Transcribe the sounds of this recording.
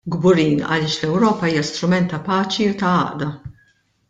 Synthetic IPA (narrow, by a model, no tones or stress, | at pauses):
ɡbʊɾiːnɐ̰lɪːʃlɛwɾɔːpɐiːjɐst̪ɾʊmɛnt̪ːɐpɐːt͡ʃiʊt̪ɐɐ̰ːʔd̪ɐ